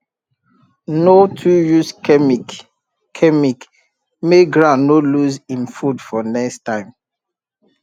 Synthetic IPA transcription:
notʰujus | kʰɛmik | meɡɹãnoluzĩnfudfɔnɛkstãɪ̃m

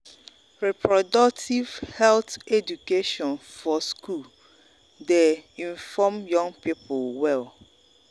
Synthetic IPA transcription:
ɹɛpʰɹɔdɔk̚tʰivhɛlθedukeʃɔ̃nfɔskʰul | deĩnfɔmjɔ̃ŋpipʰolwɛl

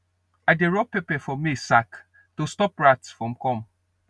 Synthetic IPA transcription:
aɪdeɾɔpepɛfɔmisak | tostɔpɹatfɔ̃mkɔ̃m

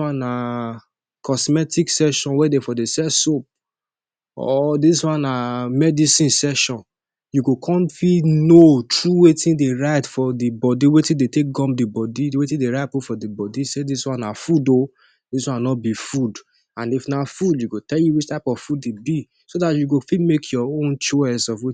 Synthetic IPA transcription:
wãna | kʰɔsmɛtiksɛʃɔ̃nwɛdefɔdesɛsop̚ | ɔ̰diswãnamɛdisĩnsɛʃɔ̃n | juɡokʰɔ̃mfinotɹuwetĩndeɹaɪtfɔdibɔdiwetĩdetek̚ɡɔ̃mdibɔdiwetĩdeɹaɪpofɔdibɔdisediswɔ̃nafudo | dis̬wɔ̃nanɔt̚bifud | ãnifnafudjuɡotɛljuwit͡ʃtaɪpɔvfud̚debi | sodatjuɡofimekʰjɔõnt͡ʃɔsɔfwi

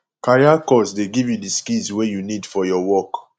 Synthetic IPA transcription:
kaɹiakɔsdeɡivjudiskilswejunidfɔjɔwɔk

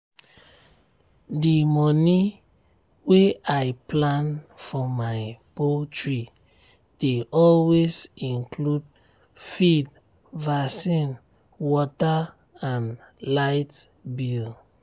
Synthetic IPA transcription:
dimɔni | weaɪplãnfɔmaɪpotʰɹi | d̥eʔɔlwezĩnklud | fid | vasĩn | wɔta | ãnlaɪt | bil

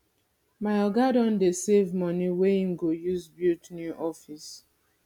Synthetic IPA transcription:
maɪɔɡadɔ̃ndesevmɔniweĩmɡojuzbutnuʔɔfis

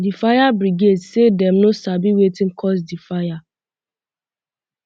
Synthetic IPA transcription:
difajabɾiɡedsedɛmnosabiwetĩm̩kʰɔs̬difaja

